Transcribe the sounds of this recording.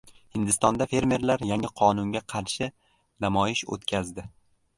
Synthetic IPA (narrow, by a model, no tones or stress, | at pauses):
hɪnd̪ɪst̪ɒnd̪afe̞ɾme̞ɾlaɾjaŋɪqʰɒnʊŋɡʲaqʰɑɾʃɪ | namɒjɪʃo̰t̪kʲʰazd̪ɪ